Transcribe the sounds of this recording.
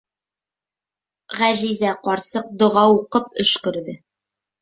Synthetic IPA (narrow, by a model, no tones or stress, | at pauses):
ʁæʑizæqɒɾsɤq̚d̪ŏʁɑwuqɤp̚ɵ̰̆ʃkɵ̆ɾðɘ